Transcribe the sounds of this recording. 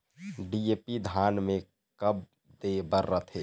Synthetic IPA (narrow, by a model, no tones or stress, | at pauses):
ɖijepid̪ʱaːnmẽ | kəb̚ | d̪ebəɾːət̪ʰeː